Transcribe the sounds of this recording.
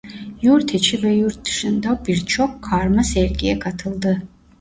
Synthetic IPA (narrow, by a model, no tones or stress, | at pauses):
juɾt̪ʰet͡ʃʰivɛjuɾt̪̚d̪ɨ̥ʃɨnd̪awbiɾt͡ʃʰɔkʰːaːɾmasɛɾɡijɛkʰat̪ʰɨlˠd̪ɨ